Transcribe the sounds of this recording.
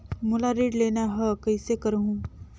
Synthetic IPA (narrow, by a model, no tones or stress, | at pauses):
mulaɾiːɖlenaɦəkəjsekəɾɦũ